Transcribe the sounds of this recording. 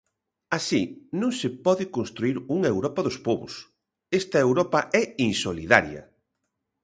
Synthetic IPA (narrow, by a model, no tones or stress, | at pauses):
asinũŋsɪpɔðɪkonst̪ɾuiɾuŋewɾɔpɐðʊspɔβʊ̰s | ɛst̪ɐewɾɔpɐʔɛinsoliða̰ɾjɐ̰